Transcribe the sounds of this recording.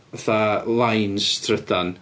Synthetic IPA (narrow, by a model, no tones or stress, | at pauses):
ðalˠajnstʰrədan